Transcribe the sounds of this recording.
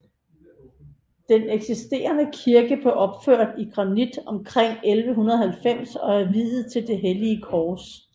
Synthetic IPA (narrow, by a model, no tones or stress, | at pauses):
d̥eneɡ̥sisd̥e̝̰ːɐnəkʰiɐɡ̥əb̥leʔɒ̽b̥føɐ̰d̥iɡ̥ʁɑ̈nid̥ɒ̽mkʰʁeŋ̰elʋəɦunɐðˠhælfem̰sɒ̽æɐʋiðð̩ˠt͡sʰe̝ld̥e̝ɦeliəkʰɒːs